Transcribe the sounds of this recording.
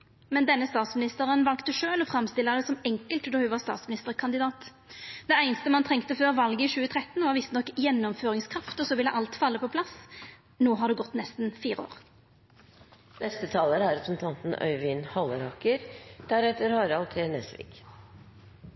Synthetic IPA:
mɛnd̪ɛnːəst̪ɑːt̪smɪnɪst̪əʁənʋɑlkt̪əʂøːlɔfɾɑmst̪ɪlːəd̪ɛsɔmɛŋkəlt̪d̪oːhʉʋɑʁst̪ɑ̰ːt̪smɪnɪst̪əʁkʰɑnd̪ɪd̪ɑːt̪ | d̪̥ɛæɪnəst̪əmɑnt̪ʰʁɛŋkt̪əføːʁʋɑlɡəɪɕʉːət̪ʰʁɛt̪ːnʋɑʋɪst̪ənɔkːjɛnːɔmføːʁɪŋskʰʁɑft̪ɔsɔʋɪlːəʔɑlt̪fɑlːəpʰɔpʰlɑs | noːɦɑd̪ʉɡɔt̪ːnɛst̪n̩fiːʁəo̰ːʁ | nɛst̪ət̪ʰɑːləɾæɾɛpɾsn̩t̪ʰɑnt̪n̩œ̰ʏʋɪnhɑləɾhɑkəɾd̪̥æɾɛt̪əɾhɑːɾɑlt̪ʰenɛsʋḭːɡ

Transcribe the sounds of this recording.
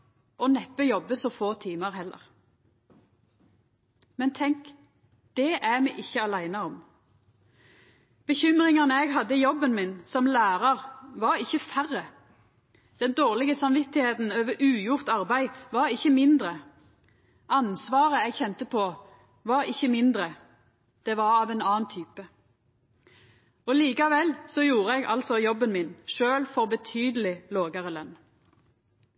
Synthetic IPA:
ʔɔnɛpːəjɔbəsɔfoːt̪ʰiːməʁhɛlːə̰ʁ | mɛnt̪ʰɛŋk | d̪̥ɛʔæmɛʔɪçːəɑlæɪnəɔm | b̥əçʏmʁɪŋɑnəɛɡɦɑd̪ːəjɔbːənmɪnsɔmlæːʁɑʁʋɑʁɪçːəfæʁːə | d̪̥ɛnd̪oːʁlɪɡəsɑmʋɪt̪ɪheːt̪n̩øːʋəɾʔʉːjʊʁt̪ɑʁbæɪʋɑʁɪçəmɪnd̪ʁə | ʔɑnsʋɑːʁəɛɡçɛnt̪əpʰoː | ʋɑʁɪçːəmɪnd̪ʁə | d̪̥ɛʋɑʁɑːʋɛnɑːnt̪ʰyːpə | ɔliːkɑʋɛlsɔjuːʁəɛɡʔɑ̰lsɔjɔbənmɪnʃøːlfɔʁbət̪ʰyːd̪əlɪloːɡəʁəlɛn

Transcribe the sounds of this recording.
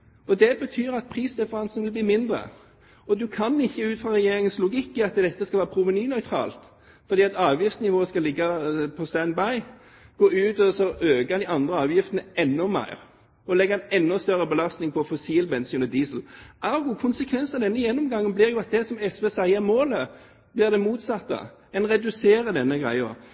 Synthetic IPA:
ɔd̪ɛbət̪ʰyːɾɑt̪̚pʰʁiːsdɛfəʁɑnsnʋɪlbliːmɪnd̪ʁə̰ | ɔd̪ʉkʰɑnɪçːəʉːt̪fʁɑʁɛjeːɾɪŋənslʊɡɪkːɪɑt̪d̪ɛt̪ːəskɑlʋæːʁəpʰɾʊʋənyːnœʏt̪ʰɾɑ̰ːlt̪ | fɔɾd̪iːɑt̪ɑːʋjɪft̪snɪʋoːəskɑlɪɡːɑpʰɔst̪ænbɑɪ | ɡ̥oːʉːt̪ɔsɔʔøːɡd̪ɪɑnd̪ʁəɑːʋjɪft̪ənəɛnːɔmæ̰ɪʁ | ɔlɛɡːəɛnɛnːɔst̪œʁəbəlɑst̪nɪŋpʰɔfɔsiːlbɛnsʉnəd̪iːsəl̩ʔɑɾɡuːkʰʊnsəkʰʋɛnsnɑd̪ɛnːəjɛnːɔmɡɑŋːənblɪʁjʊɑt̪̚d̪ɛsɔmɛsʋeːsæɪəʁmoːlə | b̥lɪʁd̪ɛmuːt̪sɑt̪ːə̰ | ɛnʁɛd̪ʉseːɾəd̪ɛnːəɡʁæ̰ɪə̰

